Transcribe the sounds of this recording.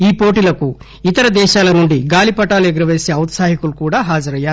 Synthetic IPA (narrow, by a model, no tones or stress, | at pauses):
iːpo̞ːʈilɐku | it̪ɐɾɐd̪ɛːʃaːlɐnuɳɖiɡaːlipɐʈaːlueɡiɾɐʋe̞ːse̞ːɐwt̪saːɦikulukuːɽaːɦaːd͡ʒɐɾɐjːaːɾ